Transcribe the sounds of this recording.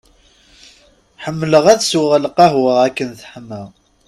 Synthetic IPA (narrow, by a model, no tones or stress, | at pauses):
ħəmːləʁæðsuʁəlqɑɦwəʁækːənθə̥ħməʁ